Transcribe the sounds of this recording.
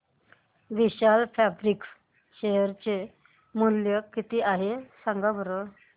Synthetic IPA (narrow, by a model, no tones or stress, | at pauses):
ʋiɕalpʰɛbɾik | ɕeɦəɾt͡ɕe | muljəkːit̪iʔaɦesãŋɡabəɾə